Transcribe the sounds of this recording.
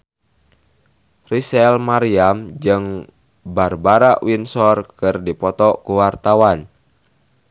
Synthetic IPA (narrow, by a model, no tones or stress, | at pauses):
risɛlmaɾiamd͡ʒɨŋ | barbaɾaʔwinsɔrkɨrdipɔt̪ɔkuwart̪awan